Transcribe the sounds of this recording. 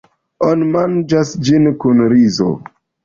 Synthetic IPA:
onimand͡ʒasd͡ʒinkunɾizo̰

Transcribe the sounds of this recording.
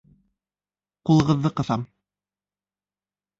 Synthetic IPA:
qulˠɤ̆ʁɤ̆ðːɤqɤ̆θɑm

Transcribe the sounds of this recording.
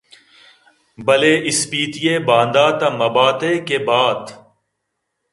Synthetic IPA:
bɐleːʔɪspiːt̪ɪjeːbãːnd̪aːt̪ɐmɐbaːt̪eːkeːbaːd̪

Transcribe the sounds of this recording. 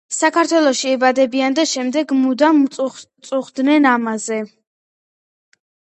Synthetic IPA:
sakʰaɾt̪ʰwɛlˠɔʃiɛbad̪ɛbiand̪aʃɛmd̪ɛɡmud̪amt̪sʼuχd̪nɛnamazɛ

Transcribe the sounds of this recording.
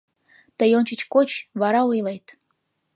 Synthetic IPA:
t̪əjonʲt͡ɕət͡ɕkot͡ɕβɑɾɑujlejt̪

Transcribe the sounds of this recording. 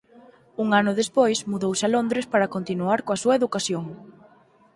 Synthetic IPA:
uŋanʊðespojsmuðowsalond̪ɾespaɾɐkont̪inuaɾkoasuɐeðukasjoŋ

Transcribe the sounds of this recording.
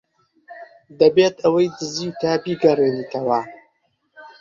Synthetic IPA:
d̪ɐbeːt̪ɐwɐjd̪ɨziːwt̪aːbiːɡɐreːniːt̪ɐwa

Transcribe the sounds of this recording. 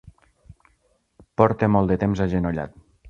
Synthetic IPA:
pɔɾt̪emɔlˠd̪ət̪emzaʒenoʎa̰t̪̚

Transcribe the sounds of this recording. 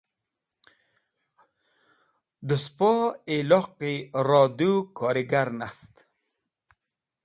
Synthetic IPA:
d̪uspɔelɔqiɾɔːd̪ukʰɔːɾiɡaɾnast̪

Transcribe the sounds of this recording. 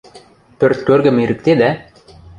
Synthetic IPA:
t̪ɵɾt̪̚køɾɡɘ̆miɾɘ̆k̚t̪ed̪æ

